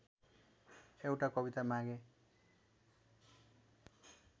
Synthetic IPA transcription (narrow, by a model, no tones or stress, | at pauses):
ewʈakʌbit̪amãɡe